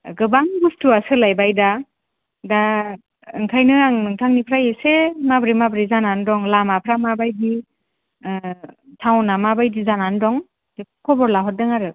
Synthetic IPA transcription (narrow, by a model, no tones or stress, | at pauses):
ɡɯbaŋbustuasɯlajbajda | da | ɯŋkʰajnɯaŋnɯŋtʰaŋnipʰɾajesemabɾimabɾizanandɔŋlamapʰɾamabajdi | tʰawnamabajdizanandɔŋ | dekʰɔbɔɾlaɦɔt̚dɯŋaɾɯ